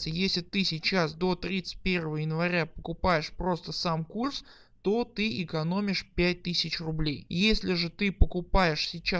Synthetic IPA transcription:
sʲəjesʲlʲɪt̪ɨsʲɪt͡ɕasd̪o̞t̪ɾʲit̪sɨ̥t̚ʲpʲe̞rvəvəjɪnvɐɾʲapəkʊpajɪʂpɾo̞st̪əsamkurs | t̪o̞t̪ɨɪkɐno̞mʲɪʂpʲæt̚ʲt̪ɨsʲɪt͡ɕrʊblʲejjesʲlʲɪʐɨt̪ɨpəkʊpajɪʂsʲɪt͡ɕa

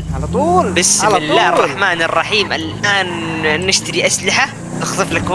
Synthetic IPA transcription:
lt̪ˤuːlbɪsɪlːaːhɑrˤːɑħmaːnɑrˤːɑħiːmʔalʔaːnːɪʃt̪aɾiʔaslɪħa | nɪxt̪ˤɨflakw

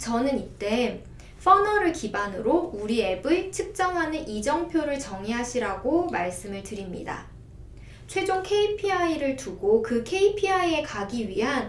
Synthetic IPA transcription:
t͡ɕʌnɯnit͈e̞ | fʰʌnʌɾɯɭkibanɯɾouɾie̞bɯɭt͡ɕʰɯk̚t͡ɕ͈ʌŋɦanɯnʔid͡ʑʌŋpʰjoɾɯɭt͡ɕʌŋiɦaɕʰiɾaɡomaɭs͈ɯmɯɭtɯɾimɲḭda̰ | t͡ɕʰwe̞d͡ʑoŋkʰe̞ipʰiaiɾɯɭtuɡokɯkʰe̞ipʰiaie̞kaɡiɥiɦan

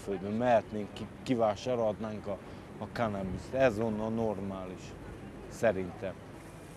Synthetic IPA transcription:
føld̪bømmɛɦɛt̪neːŋkikivaːʃaːɾoɒd̪naːŋkɒː | kanɛbist̪ɛzo̞nːɒlnormaːliʃ | sɛɾint̪ɛm

